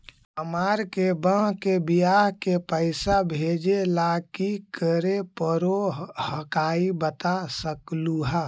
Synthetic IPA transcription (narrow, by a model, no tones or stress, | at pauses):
əmaːɾkebə̃ɦkebijaːɦkepəɪsabʱeːd͡ʒelakikəɾepəɾohəkaːibət̪asəkluɦɛ